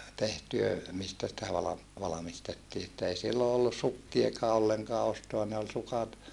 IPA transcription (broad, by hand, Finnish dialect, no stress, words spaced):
tehtyø mistæ sitæ ʋɑlɑm ʋɑlɑmistetːiː etːæ ei silːo olːus sukːiekɑː olːeŋkɑː ostoɑ ne ol sukɑt